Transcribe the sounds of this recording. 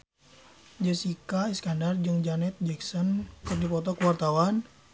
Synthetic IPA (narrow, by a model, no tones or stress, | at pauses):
d͡ʒəsikaɛskandard͡ʒɨŋd͡ʒanɛt̪̚d͡ʒɛksɔnkɨrdipɔt̪ɔkuwart̪awan